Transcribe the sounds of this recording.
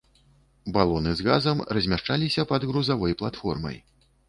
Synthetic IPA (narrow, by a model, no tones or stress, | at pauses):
balˠɔnɨzɣa̰zɐmrɐzʲmʲaʂt͡ʂalʲisʲɐpɐd̪ɣɾuzavɔjplˠat̪fɔ̰rmɐ̰j